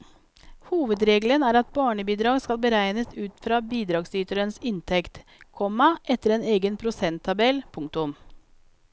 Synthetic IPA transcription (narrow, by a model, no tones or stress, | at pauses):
huːʋəd̪ɾeːɡlənæːɾɑt̪̚bɑːɳəbiːd̪ɾɑːɡskɑlbəɾæɪnəsʉːt̪fɾɑːbiːd̪ɾɑːɡsyːt̪əɾənsɪnt̪ʰɛkt̪kʰɔmɑʔɛt̪əɾeːneːɡənpʰɾʊsɛnt̪ʰːɑbɛlpʰʊŋk̚t̪ʊm